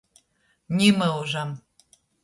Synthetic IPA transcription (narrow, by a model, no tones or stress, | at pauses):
nʲiməuʒɑm